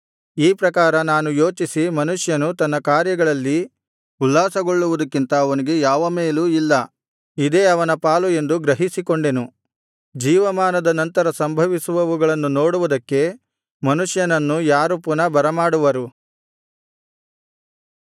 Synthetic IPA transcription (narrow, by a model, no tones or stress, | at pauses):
iːpɾɐkaːɾɐnaːnujo̞ːt͡ʃisimɐnuʂjɐnut̪ɐnːɐkaːɾjɐɡɐɭɐlːi | ulːaːsɐɡo̞ɭːuʋud̪ɐkːint̪ɐːʋɐniɡe̞jaːʋɐmeːluilːɐ | id̪e̞ːɐʋɐnɐpaːlue̞nd̪uɡɾɐɦisikoɳɖe̞nu | d͡ʒiːʋɐmaːnɐd̪ɐnɐnt̪ɐɾɐsɐmbʱɐʋisuʋɐʋuɡɐɭɐnːuno̞ːɽuʋud̪ɐkːe̞ | mɐnuʂjɐnɐnːujaːɾupunɐbɐɾɐmaːɽuʋɐɾu